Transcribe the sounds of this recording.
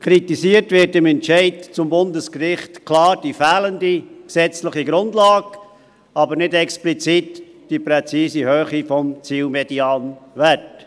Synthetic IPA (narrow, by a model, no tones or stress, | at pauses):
kʰɾitisiːətʋɪɾtɪmɛnt͡ʃɛɪdt͡sʊmbʊndəskrɪχtkʰlɑːɾd̥ifæːləndiksɛt͡slɪχiɡɾʊndlɑːɡ | ɑbəɾnɪdɛksplit͡sit | d̥ipɾɛt͡siːsihøːχifɔmt͡siːlmɛd̥iɑːnvɛt